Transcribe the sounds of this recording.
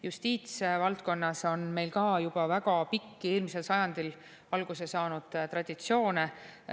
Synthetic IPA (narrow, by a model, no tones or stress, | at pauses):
just̪iːt̪svɑlt̪̚ko̞nːɑso̞nme̞jlkɑːjub̥ɑvæɡ̥ɑpikːieːlmise̞lsɑjɑnd̪̥il | ɑlɡ̥usesɑːnud̪̥t̪rɑd̪̥it̪sio̞ːne